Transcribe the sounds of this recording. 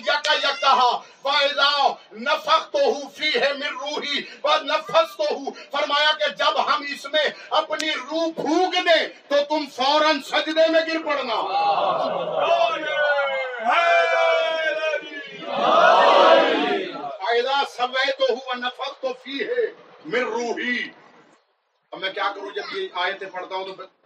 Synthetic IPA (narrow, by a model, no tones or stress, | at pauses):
d͡ʒaːkajɐk̚t̪aɦa | ʋaːɪd̪anɐfʰəkt̪oɦufʰiɦɛmɪɾːuːɦiʋanɐpʰəst̪oɦufɐɾmaːjaked͡ʒɐbɦɐmɪsmẽɐpniɾuːbʱũːɡd̪ẽt̪ot̪ʊmsɔ̃ːɾə̃nsɐd͡ʒd̪emẽɡɪɾpɐɽnaː | aːɪd̪aːsɐʋəjt̪oɦuʋɐnɐpʰəst̪opʰiɦɛː | mɪɾːuːɦiː | omɛ̃ːkjaːkəɾõd͡ʒɐbeaːjət̪ẽpɐɽt̪aːɦũt̪opʰ